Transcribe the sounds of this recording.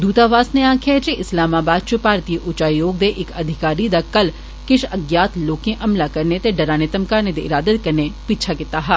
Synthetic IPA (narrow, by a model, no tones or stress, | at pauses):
d̪uːt̪aʋaːsneãːkʰjad͡ʒeʔɪslaːmaːbaːd̪̚t͡ʃʊpaːɾt̪iʔʊt͡ʃaːijoːɡd̪eʔɪkɐd̪ʱɪkaːɾid̪akɐl | kɪʃɐɡjaːt̪loːkẽʔɐmlakɐɾnet̪eɖɐɾaːnɪt̪əmkaːɾned̪eɪɾaːd̪ət̪̚kɐɾnepiːt͡ʃʰakɪt̪aɦɛː